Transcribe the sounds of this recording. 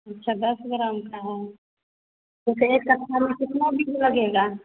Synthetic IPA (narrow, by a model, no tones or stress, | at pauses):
ɐtːʃʰad̪ɐsɡɾamkaɦ | t̪ʊsekːɐt̪ʰːamẽkɪt̪nabʱilɐɡeːɡaː